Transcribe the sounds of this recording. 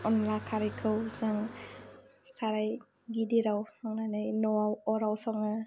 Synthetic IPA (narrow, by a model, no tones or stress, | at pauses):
ɔnlakʰaɾikʰɯwsaŋ | saɾaj | ɡidiɾawsɔŋnanajnɔawɔɾawsɔŋa